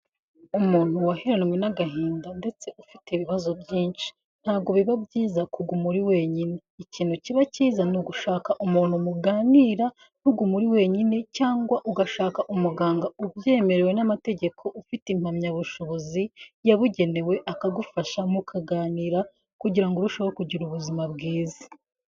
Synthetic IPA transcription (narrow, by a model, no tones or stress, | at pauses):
umuːn̥uwahiɾanwe̞naɡaɦiːndande̞t͡se̞ʔufiteiβiβazo̞bɟiːnʃi̥ | n̥haːɡo̞βiβabɟiːzakuɡumuɾiwe̞ːɲine̞iciːn̥huciβaciːzanuɡuʃaːkaʔumuːn̥humuɡaːniːɾa | n̥uɡumuɾiwe̞ɲine̞caːŋɡwaʔuɡaʃaːkaʔumuɡaːŋɡaubje̞ːme̞ɾewe̞namate̞ɟe̞kʰo̞ʔufitim̥hamɲaβuʃo̞βo̞zijaβuɟe̞ne̞we̞ʔakaɡufaʃamukʰaɡaːniːɾa | kuɟiɾaŋɡoɾuʃawokuɟiɾuβuzimabɡiːzḁ